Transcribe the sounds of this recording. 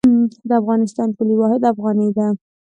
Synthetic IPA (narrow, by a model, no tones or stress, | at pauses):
d̪əafɣɑnɪst̪ɑnkʊliwɑɦɪd̪afɣɑnəjd̪a